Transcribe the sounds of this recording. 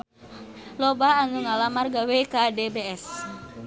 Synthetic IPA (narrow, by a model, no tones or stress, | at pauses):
lɔbaanuŋalamarɡawekadebeɛs